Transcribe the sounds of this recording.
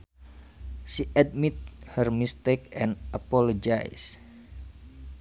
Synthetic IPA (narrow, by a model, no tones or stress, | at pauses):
ʃiʔat̪̚mit̪̚hərmist̪ek̚ɛ̃nʔapɔlɔd͡ʒajs